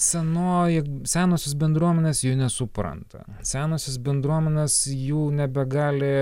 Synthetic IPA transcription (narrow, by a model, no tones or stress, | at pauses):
sʲɛnoːjɪsʲæːnoːsʲɪsbʲɛnd̪ɾuɔmʲɛnʲeːsjuːnʲɛsʊpɾɐ̰nt̪ɐ̰ | sʲæːnoːsʲɪsbʲɛnd̪ɾuɔmʲɛnʲɛːsjuːnʲɛbʲɛɡɑːlʲɪ